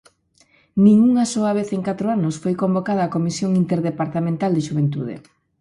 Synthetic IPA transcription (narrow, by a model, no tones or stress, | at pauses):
nĩŋuŋasoaβeθeŋkat̪ɾoanʊsfojkombokaðɐːkomisjoŋint̪eɾðepaɾt̪amẽnt̪ald̪ɪʃuβent̪uðḛ